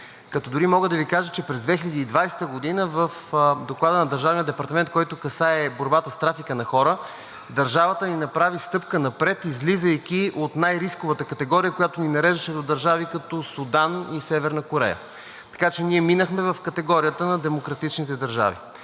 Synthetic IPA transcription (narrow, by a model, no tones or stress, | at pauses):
kɐt̪ɔd̪ʊɾimɔɡəd̪ɐvikaʒət͡ʃɛpɾɛzd̪vɛxilʲɛd̪iːd̪vajst̪əɡod̪inəvəfd̪oklˠad̪ənɐd̪ɐɾʒavnijəd̪ɛpɐɾt̪ɐmɛnt̪̚kɔjt̪ʊkɐsaɛboɾbat̪əst̪ɾafikənɐxɔɾə | d̪ɐɾʒavət̪əninɐpɾavist̪ɤpkənɐpɾɛt̪izlizəik̟ʲiʔot̪najɾiskʊvət̪əkɐt̪ɛɡɔɾijəkojat̪ʊninɐɾɛʒd̪əʃɛd̪od̪ɐɾʒavikɐt̪ɔsud̪anisɛvɛɾnɐkoɾɛ̰jə̰ | t̪ɐ̥kat͡ʃɛniɛminəxmɛvɐfkɐt̪ɛɡɔɾijət̪ənɐd̪ɛmokɾɐt̪it͡ʃnit̪ɛd̪ɐɾʒa̰vḭ